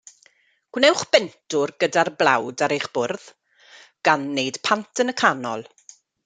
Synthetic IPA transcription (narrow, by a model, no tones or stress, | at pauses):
ɡ̥wnɛwχb̥ɛntʰʊrɡədarblˠawdaɾejχb̥ʊrð̥ | ɡ̥anːejd̥pʰantʰənəkʰanɔ̰lˠ